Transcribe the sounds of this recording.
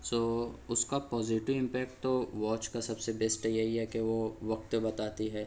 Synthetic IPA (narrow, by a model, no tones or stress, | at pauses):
soːʊskapɔːzɪʈɪʋɪ̃mpɛːkʈ̚t̪oʋɔːt͡ʃkasɐbsebeːsʈəjɐɦiɦɛkeʋoʋɐk̚t̪bɐt̪aːt̪iɦɛː